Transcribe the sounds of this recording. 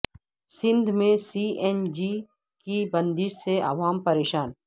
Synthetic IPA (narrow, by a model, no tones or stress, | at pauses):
sɪ̃nd̪ʱmẽsiːʔɛːnd͡ʒi | kibɐ̃nd̪ɪseʔɐ̰ʋaːmpɐɾeːʃaːn